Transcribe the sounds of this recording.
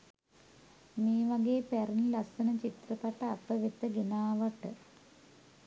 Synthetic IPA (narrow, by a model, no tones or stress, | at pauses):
miːʋaɡeːpæɾunlɐsɐnət͡ʃit̪rəpaʈɐapəʋit̪ːəɡinaːʋaʈə